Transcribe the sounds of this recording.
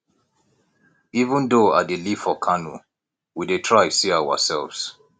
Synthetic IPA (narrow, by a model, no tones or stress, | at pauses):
ivə̃ndoa̰delifɔkʰanṵ | widetʰɹaɪsiawə̰sɛlvz̥